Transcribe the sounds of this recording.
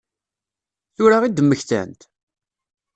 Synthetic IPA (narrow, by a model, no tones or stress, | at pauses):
θʊɾaʁid̪əmːəçθæ̰nt̪